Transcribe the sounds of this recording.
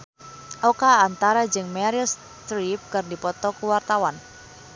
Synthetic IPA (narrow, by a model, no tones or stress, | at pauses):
ʔɔkaːnt̪aɾad͡ʒɨŋmɛɾils | t̪ɾip̚kɨrdipɔt̪ɔkuwart̪awan